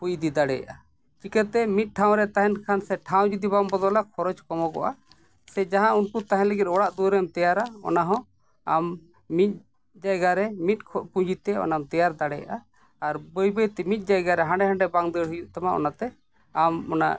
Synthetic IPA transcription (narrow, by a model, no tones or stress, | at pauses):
pujd̪id̪aɽɛ̰ja̰ʔa | t͡ʃikɛt̪ɛmit̪̚ˀʈʰaw̃ɾɛt̪aɦɛnkʰansɛʈʰaw̃d͡ʒud̪iβambɔd̪ɔlakʰɔɾɔt͡ʃkɔmɔɡɔ̰ʔa | sɛd͡ʒaɦãunkut̪aɦɛ̃ləɡit̪̚ˀɔɽaʔd̪uɾɛmt̪ɛjaɾaɔ̰naɦɔ̃ | amː | it̪̚ˀ | d͡ʒajɡaɾɛmit̪̚kʰpud͡ʒit̪ɛɔ̰namt̪ɛjaɾd̪aɽɛja̰ʔa | aɾbɔjbəjt̪ɛmit̪̚ˀd͡ʒajɡaɾɛɦãɳɖɛɦãɳɖɛbaŋd̪ɛɽɦujuʔt̪amaʔɔ̰nat̪ɛ | amɔna̰ʔ